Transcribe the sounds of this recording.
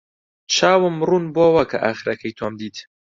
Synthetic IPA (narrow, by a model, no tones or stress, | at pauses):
t͡ʃʰaːwɨmːruːnboːwɐkʰɐ̰ʔaːxɨɾɐkʰɐjt̪ʰoːmd̪iːt̪